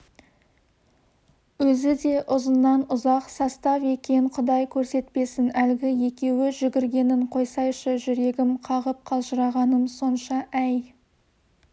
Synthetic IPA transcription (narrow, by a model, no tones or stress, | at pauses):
wɵzɪd̪e̞ʔʊzənːɑnʊzɑqsɑst̪ɑve̞kʲe̞ɴqʰʊd̪ɑjkʲʰɵɾse̞t̪̚pe̞sɪnælɡʲɪje̞kʲe̞wɪʒʏɡʲɪɾɡʲe̞nɪɴqʰo̞jsɑjʃəʒʏɾe̞ɡʲɪmqʰɑʁəp̚qʰɑlˠʒəɾɑʁɑnəmso̞nʃɑʔæj